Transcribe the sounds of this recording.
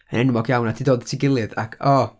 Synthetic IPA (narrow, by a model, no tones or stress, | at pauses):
ənɛnmɔɡjawnadʰidoːdtʰiɡɪlˠɨða̰kʰɔ